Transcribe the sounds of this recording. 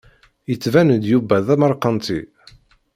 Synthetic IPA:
jət͡sːvænd̪jubæðæməɾˤqənt̪i

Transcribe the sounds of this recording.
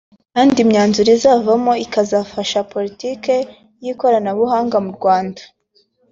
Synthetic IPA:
kaːndimɲaːnzuɾizaːvamoikazafaʃapo̞ɾitiːke̞ | jiko̞ɾanaβuhaːŋɡamuɾɡwaːndḁ

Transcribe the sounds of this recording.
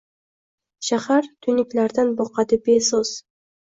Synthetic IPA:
ʃahaɾt̪ʰynɪklæɾd̪anboqɑd̪ɪbesoz̥

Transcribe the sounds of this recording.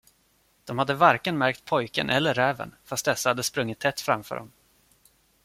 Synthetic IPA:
d̪̥ɔmhad̪ːəvaɾkənmæɾk̚t̪̚pʰɔjkənʔɛlːəɾːɛːvə̰nfast̪̚d̪ɛsːahad̪ːəspɾɵŋːɪt̪ʰːɛt̪ːfɾa̰mfœ̰ːɖɔ̰m

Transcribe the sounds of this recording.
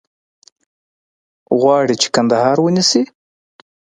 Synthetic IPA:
ɣwɑɽit͡ʃe̥kand̪ahɑɾwənisi

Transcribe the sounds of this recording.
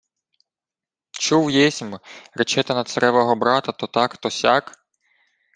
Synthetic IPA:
t͡ʃuwjɛsʲmɾet͡ʃɛt̪ɐnɐt̪sɐɾɛʋɔɦɔbɾɑt̪ɐt̪ɔt̪ɑkt̪ɔsʲɑk

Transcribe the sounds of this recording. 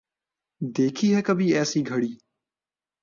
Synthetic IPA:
d̪eːkʰiːɦɛːkəbʱiːɛːsiːɡʱəɽiː

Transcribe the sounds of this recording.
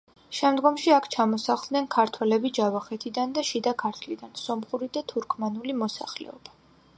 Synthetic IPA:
ʃɛmd̪ɡɔmʃiakʰt͡ʃʰamɔsaχlˠd̪nɛnkʰaɾt̪ʰwɛlɛbid͡ʒavaχɛt̪ʰid̪and̪aʃid̪akʰaɾt̪ʰlid̪ansɔmχuɾid̪at̪ʰuɾkʰmanulimɔsa̰χlɛ̰ɔb̥ḁ

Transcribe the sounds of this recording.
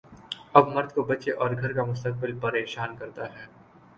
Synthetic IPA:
ɐbmɐɾd̪kobɐtːʃeʔɔːɾɡʱɐɾkamʊst̪ək̚bɪlpɐɾeːʃaːnkɐɾt̪aɦɛː

